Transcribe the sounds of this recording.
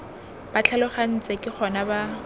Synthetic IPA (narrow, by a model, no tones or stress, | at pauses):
b̥at͡ɬʰalʊχan̩t͡sʼekʼɪχʰɔnaba